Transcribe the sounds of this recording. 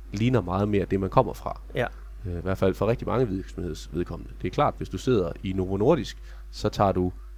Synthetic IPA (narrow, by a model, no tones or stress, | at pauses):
liːnɐmɑ̈ːð̞̩ˠme̝d̥e̝mænkʰɒ̽m̰ɐfʁɑ̈ | iʋæɐd̥fæl̰fɒʁeɡ̥d̥imɑ̈ŋəʋiɡsm̩he̝ð̞̰ˠsʋe̝ðˠkʰɒ̽m̰nəd̥e̝æɐkʰl̥ɑ̰̈ːd̥ʋe̝sd̥use̝ð̞̰ˠɐinoʁono̝ɐɾ̥isɡ̥ | sɒ̽t͡sʰɑ̰̈ːd̥u